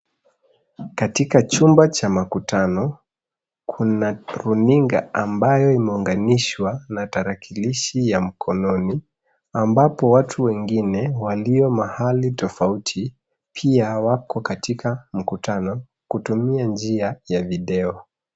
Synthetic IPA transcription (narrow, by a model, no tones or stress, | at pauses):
katikat͡ʃumbat͡ʃamakutʰanɔ | kʰunaɾuniŋɡa̰ʔambajɔimɛuŋɡaniʃwanataɾakʰiliʃijam̩kʰɔnɔni | ambapɔwatʰuwɛŋɡinɛwaliɔmahalitɔfautʰi | pʰiawakɔkatʰikam̩kutanɔ | kutumiand͡ʒiajaviɗɛɔ